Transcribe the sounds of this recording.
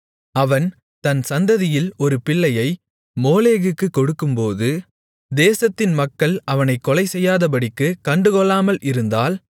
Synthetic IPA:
ɐʋɐn | t̪ɐnsɐnd̪ɐðɪjɪlɔɾɯpɪɭːɐjɐɪ | moːleːɣɯkːɯkːɔɽɯkːɯmpoːðɯ | d̪eːsɐt̪ːɪnmɐkːɐɭʔɐʋɐnɐɪkːɔlɐɪsɛjːaːðɐp̬ɐɽɪkːɯkɐɳɖɯkɔɭːaːmɐlʔɪɾɯnd̪aːl

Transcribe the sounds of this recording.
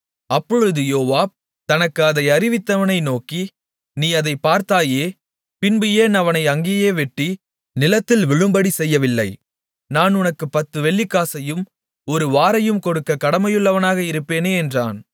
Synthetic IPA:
ɐpːɔɻɯðɯjoːʋaːb̚ | t̪ɐnɐkːɯɐðɐɪɐɾɪʋɪt̪ːɐʋɐnɐɪnoːki | niːɐðɐɪpaːɾt̪aːjeː | pɪnbɪjeːnɐʋɐnɐɪɐŋɡeːjeːʋɛʈːi | nɪlɐt̪ːɪlʋɪɻɯmbɐɽisɛjːɐʋɪlːɐɪ | naːnʊnɐkːɯpːɐt̪ːɯʋɛɭːikːaːsɐjɯm | ɔɾɯʋaːɾɐjɯmkɔɽɯkːɐkɐɽɐmɐjɯɭːɐʋɐnaːɣɐɪɾɯpːeːneːɛndraːn

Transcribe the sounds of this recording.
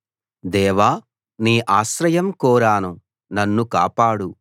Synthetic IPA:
d̪ɛːʋaː | niːʔaːʃɾɐjɐmkɔːɾaːnu | nɐnːuka̰ːpaːɽu

